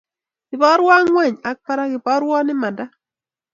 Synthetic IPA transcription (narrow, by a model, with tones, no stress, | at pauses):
kɪ˨pɔ˦ɾwa˦ŋwɛ˦˨ɲa˨k̚pa˦ɾa˦kɪ˨pɔ˦ɾwɔ˦nɪ˦ma˨da˦